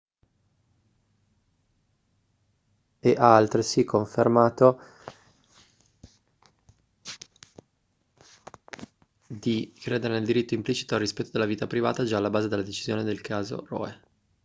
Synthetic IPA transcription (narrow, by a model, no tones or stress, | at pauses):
eʔaalt̪ɾesikʰːoɱfermaːt̪o | d̪ikɾeːd̪eɾeneld̪iɾit̪ːoimplit͡ʃi̥t̪oalrːispɛt̪ːod̪elːaviːt̪apɾiva̰ːt̪ad͡ʒaːlːabaːzed̪elːad̪et͡ʃizjoːned̪elkʰaːzo̰rɔ̰ːe